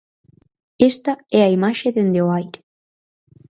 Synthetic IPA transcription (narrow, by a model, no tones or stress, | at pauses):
est̪ɐɛɐimaʃeðend̪eoajɾe